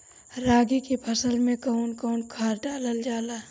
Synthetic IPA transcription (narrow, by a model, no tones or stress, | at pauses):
ɾaːɡikipʰɐsəlmẽkəʊnkɔːnkʰaːɾɖaːləld͡ʒaːlaː